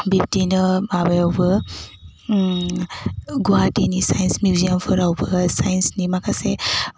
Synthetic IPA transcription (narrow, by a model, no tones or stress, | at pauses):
bip̚tinɐmabajawbɐ | ɡuɦatinisajnsmjuzijampʰɯɾawbɐsajnsnimakʰase